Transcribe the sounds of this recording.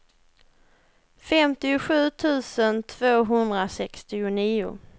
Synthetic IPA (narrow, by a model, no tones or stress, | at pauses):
fɛmt̪ɪʊɧʉ̟ːt̪ʰʉ̟ːsənt̪ʰvoːɦɵnd̪ɾasɛkst̪ɪʊniːʊ̰